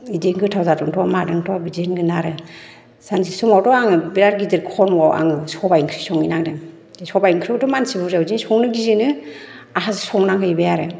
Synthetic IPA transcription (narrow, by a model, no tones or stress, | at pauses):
ideŋɡɯtʰawzatɔŋtʰɔwamadɯŋtʰɔwabid͡ʒenɡɯnaɾɯ | sansʰisɔmawtɔaŋɯbiɾaɾɡidiɾkʰɔmwawʔa̰ŋɯsɔbajŋkʰɾisɔŋinaŋdɯŋ | sɔbajŋkʰɾitɔmansibuzawzinsɔŋnɯɡizinɯ | aɦazsɔŋnaŋkʰɯibejaɾe